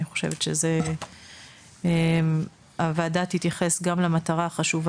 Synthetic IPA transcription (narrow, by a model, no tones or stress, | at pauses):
iχo̞ʃe̞̰vet̪ʃeze | em | avaːdathitjaχe̞sɡamlamataʁaχaʃuva